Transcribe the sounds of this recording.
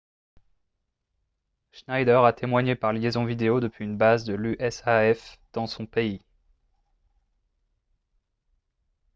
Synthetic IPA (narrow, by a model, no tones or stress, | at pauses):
ʃnajd̪œʁat̪ʰemwaɲepaʁljezɔ̃vid̪eod̪əpɥiːnbazd̪əlyʔɛsaɛfd̪̥ɑ̃sɔ̃pei